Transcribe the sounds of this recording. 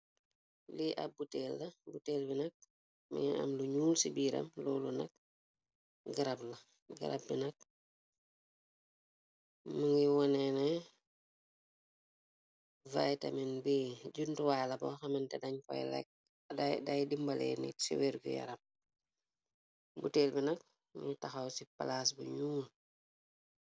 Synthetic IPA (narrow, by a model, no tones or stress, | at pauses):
liʔɐ̰b̚buteːlːɐbuteːlbinɐk̚ | mḭŋiɐ̰mluɲuːlsibiːɾɐ̰mlɔːlunɐk̚ | ɡiɾablɐ | ɡḭɾɐ̰p̚ːinɐk̚ | məŋiwɔnɛnɛ | vajtɐ̰minbiɟuntuwajlɐbɔxɐmɐntɛdɐɲkɔ̰jlɛ̰k̚ | dajdimbɐlɛ̰nḭsḭweɾɡujɐ̰ɾɐm | buteːlbinɐk̚ | mṵŋitɐxɐwsipa̰las̬buɲuːl